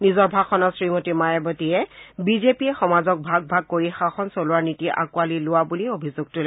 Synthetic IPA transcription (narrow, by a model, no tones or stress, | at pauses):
nizɔɹbʱakxʰɔnɔsɹimotimajɛbɔtiɛbizepiɛxɔmazɔk̚bʱaɡ̚bʱaɡ̚koɹixaxɔnsolʊaɹnitiʔa̰kʊwalilʊwabuliobʱizuɡ̚tʊlɛ